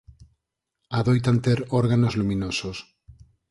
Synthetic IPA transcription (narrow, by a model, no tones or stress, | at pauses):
aðojt̪ant̪eɾoɾɣanozlumĩnosos